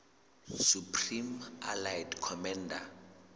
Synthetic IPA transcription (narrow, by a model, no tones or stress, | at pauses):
supʰrima̰lajdkʰɔmɛnda